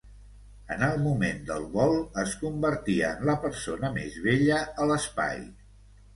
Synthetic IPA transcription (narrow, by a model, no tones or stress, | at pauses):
ənəlˠmumend̪ə̰lˠβɔlˠəskumbəɾt̪iəːnləpəɾsonəmḛzβeʎəələspa̰j